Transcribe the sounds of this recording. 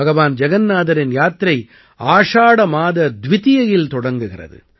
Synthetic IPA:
ɐɣɐʋaːnd͡ʒɛɣɐnːaːðɐɾɪnjaːt̪ɾɐɪ | aːʂaːɽɐmaːðɐd̪ʋɪðɪjɐjɪlt̪ɔɽɐŋɡɯɣɪrɐ̰ðɯ̰

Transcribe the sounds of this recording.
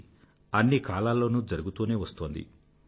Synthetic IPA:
ɐnːikaːlaːlːo̞ːnud͡ʒɐɾuɡut̪uːne̞ːʋɐst̪o̞ːnd̪ḭ

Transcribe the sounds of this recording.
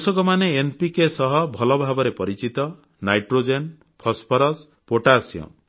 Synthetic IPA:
sɔkɔmaneːnpikesɔɦɔbʱɔlɔbʱabɔɾepɔɾit͡ʃit̪ɔ | najʈɾod͡ʒen | pʰɔspʰɔɾɔs | poʈasjɔ̰

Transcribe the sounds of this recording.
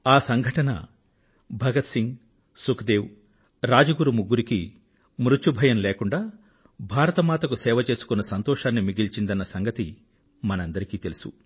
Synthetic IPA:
aːsɐŋɡʱɐʈɐnɐ̰ | bʱɐɡɐt̪siŋɡ | sukɐd̪eːw | ɾaːd͡ʒɐɡuɾumuɡːuɾiki | mɾut͡ʃubʱɐjɐmleːkuɳɖaː | bʱaːɾɐt̪ɐmaːt̪ɐk̬usɛːʋɐt͡ʃe̞ːsu̥kunːɐsɐnt̪ɔːʂaːnːimiɡilt͡ʃind̪ɐnːɐsɐŋɡɐt̪i | mɐnɐnd̪ɐɾikiːt̪elusṵ

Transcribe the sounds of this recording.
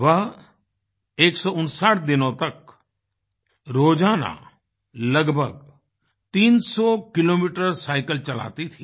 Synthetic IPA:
ʋɐɦ | eːksɔːʊnsaːʈʰd̪ɪnõt̪ɐk̚ | ɾoːd͡ʒaːna̰ | lɐɡbʱə̰ɡ̚ | t̪iːnsɔkɪloːmiːʈəɾsaːɪkəlt͡ʃɐla̰ːt̪it̪ʰiː

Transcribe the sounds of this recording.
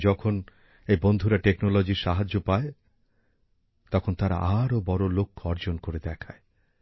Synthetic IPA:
d͡ʑɔkʰon | ejbond̪ʱuɾaʈeknolod͡ʑiʃaɦad͡ʑːopae | t̪ɔkʰont̪aɾa̰ʔaɾobɔɾolokʰːɔɾd͡ʑonkoɾed̪ɛkʰae

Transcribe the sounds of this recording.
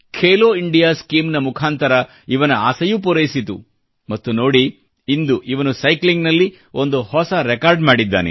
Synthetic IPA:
kʰeːloːiɳɖijaːskiːmnɐmukʰaːnt̪ɐɾɐ | iʋɐnɐaːsɐjupuɾɐjsit̪ṵ | mɐt̪ːuno̞ːɽi | ind̪uʔiʋɐnusɐjkliŋɡnɐlːi | o̞nd̪uhɔsɐɾekaːɾɖmaːɽid̪ːa̰ːnḛ

